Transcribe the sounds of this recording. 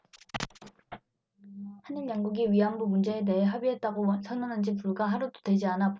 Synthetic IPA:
haninjaŋɡuɡiɥiɦambumund͡ʑe̞eːt̬e̞ɦeɦabiɦe̞t̚t͈aɡosʰʌnʌnɯnd͡ʑip͈uɭɡaɦaɾudodwe̞d͡ʑianap

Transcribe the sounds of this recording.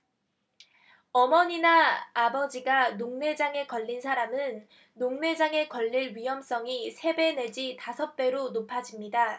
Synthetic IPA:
ʌmʌɲinaːbʌd͡ʑiɡanoŋne̞d͡ʑaŋe̞kʌʎːinsʰaɾamɯnː | oŋne̞d͡ʑaŋe̞kʌʎːiɭɥiɦʌms͈ʌŋisʰe̞be̞ne̞d͡ʑitasʰʌp̚t͈e̞ɾonopʰad͡ʑimɲida

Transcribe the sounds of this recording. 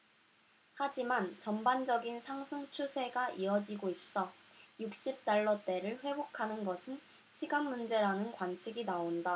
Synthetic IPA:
had͡ʑimant͡ɕʌmband͡ʑʌɡinsʰaŋsʰɯŋt͡ɕʰusʰe̞ɡaʔiʌd͡ʑiɡois͈ʌ | juk̚ɕ͈ip̚t͈aɭːʌt͈e̞ɾɯɭɸwe̞bokʰanɯnɡʌsʰɯn | ɕʰiɡanmund͡ʑe̞ɾanɯnkwant͡ɕʰiɡinaonda

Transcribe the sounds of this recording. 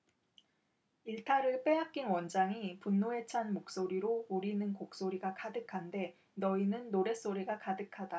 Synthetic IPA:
iɭtʰaɾɯɭp͈e̞ɦak̚k͈inwʌnd͡ʑaŋipunːoe̞t͡ɕʰanmok̚s͈oɾiɾouɾinɯnkok̚s͈oɾiɡakadɯkʰande̞ | nʌinɯnːoɾe̞s͈oɾiɡakadɯkʰada

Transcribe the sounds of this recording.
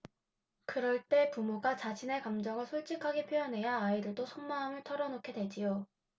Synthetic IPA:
kɯɾʌɭt͈e̞pumoɡat͡ɕad͡ʑʰine̞kamd͡ʑʌŋɯɭsʰuɭt͡ɕ͈ikʰaɡepʰjojʌnɦe̞jaːiɾɯɭdosʰoŋmaːmɯɭtʰʌɾʌnokʰe̞dwe̞d͡ʑijo

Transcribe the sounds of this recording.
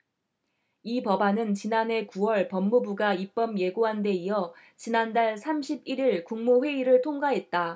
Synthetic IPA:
ipʌbanɯnt͡ɕinane̞kuwʌɭpʌmːubuɡaip͈ʌmje̞ɡoɦande̞ijʌ | t͡ɕinandaɭsʰamɕʰibiɾiɭkuŋmoɸwe̞iɾɯɭtʰoŋɡaɦe̞t̚t͈a

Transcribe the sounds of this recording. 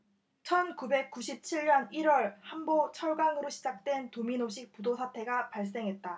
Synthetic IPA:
t͡ɕʰʌnkube̞k̚k͈uɕʰip̚t͡ɕʰiɭɲʌniɾwʌɭhambot͡ɕʰʌɭɡaŋɯɾoɕʰid͡ʑak̚t͈we̞ntominoɕʰik̚p͈udosʰatʰe̞ɡapaɭs̬͈e̞ŋɦe̞t̚t͈a

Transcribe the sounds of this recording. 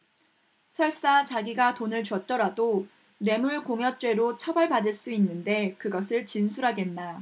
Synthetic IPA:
sʰʌɭs͈at͡ɕaɡiɡatonɯɭt͡ɕwʌt̚t͈ʌɾado | ne̞muɭkoŋjʌt͡ɕ͈we̞ɾot͡ɕʰʌbʌɭpadɯɭs͈uinːɯnde̞kɯɡʌsʰɯɭt͡ɕinsʰuɾɦaɡe̞nːa

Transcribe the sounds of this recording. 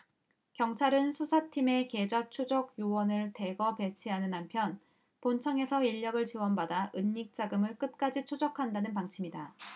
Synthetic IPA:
kjʌŋt͡ɕʰaɾɯnsʰusʰatʰime̞ke̞d͡ʑat͡ɕʰud͡ʑʌɡjuwʌnɯɭte̞ɡʌpe̞t͡ɕʰiɦanɯnːampʰjʌn | pont͡ɕʰʌŋe̞sʰʌiʎːʌɡɯɭt͡ɕiwʌnbadaʔɯnːik̚t͡ɕ͈aɡɯmɯɭk͈ɯt̚k͈ad͡ʑit͡ɕʰod͡ʑʌkʰandanɯnpaŋt͡ɕʰimɲida

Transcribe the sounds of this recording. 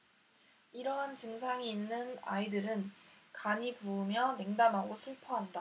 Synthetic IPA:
iɾʌɦant͡ɕɯŋsʰaŋiːnːɯna̰idɯɾɯnkaɲipuːmjʌne̞ŋdamɦaɡosʰɯɭpʰʌɦamda

